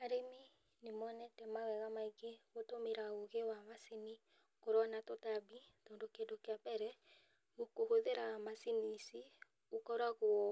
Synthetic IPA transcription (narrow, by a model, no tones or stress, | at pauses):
aɾemi | nemɔnɛtɛmawɛɣamaiɡeɣotomeɾaoɣewamasini | koɾɔnatɔtabitɔndokedokeabɛɾɛ | ɣokohoðeɾamasinisi | okɔɾaɣoɔ